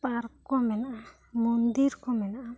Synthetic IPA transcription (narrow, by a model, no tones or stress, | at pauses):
paɾkkɔmɛnaʔa | mund̪iɾkɔmɛnaʔa